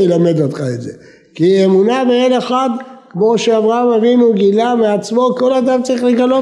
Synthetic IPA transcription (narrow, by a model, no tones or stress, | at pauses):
elame̞d̪ot̪χaeze | kiemunabeele̞χad̪kmo̞ʃeavʁaamavinuɡilameat͡smo̞ko̞lad̪amt͡saʁiχleɡalo